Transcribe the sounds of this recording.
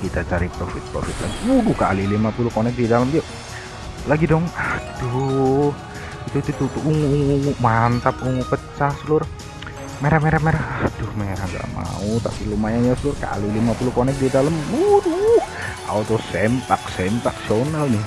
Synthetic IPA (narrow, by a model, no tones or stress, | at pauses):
kit̪at͡ʃaɾipɾofɪt̪̚pɾo̰fɪt̪̚la̰ɡibuduhkalilimapulukonɛk̚didaləmd͡ʒoʔ | laɡidɔŋahd̪̥uh | it̪uit̪ut̪ut̪uʔuŋuŋːŋumant̪ap̚uŋupət͡ʃahsəlʊr | meɾahmeɾahmeɾahahd̪ʊhmeɾahɡa̰ʔma̰ut̪a̰pilumajajasəlʊrka̰lilimapulukonɛk̚didaləmuduh | a̰ut̪ɔsɛmt̪aksɛmt̪ak̚sonalnɪh